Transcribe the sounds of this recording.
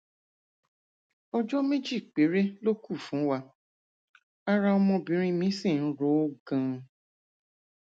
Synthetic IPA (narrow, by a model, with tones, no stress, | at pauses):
ɔ˧d͡ʒɔ˦mẽ˦d͡ʒi˦˨k͡pe˨˦ɾe˦lo˦ku˦˨fũ˨˦wa˧ | a˦ɾa˧ɔ˧mɔ̃˧bĩ˨˦ɾ̃ĩ˦mĩ˨˦sĩ˦˨n̩˦ɾo˨˦o˦ɡã˧